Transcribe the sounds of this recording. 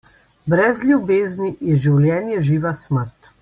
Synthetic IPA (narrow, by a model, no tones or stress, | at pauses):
bɾɛzlʲjubeːznijɛʒiwlʲjɛːnjɛʒiːʋasməɾt̪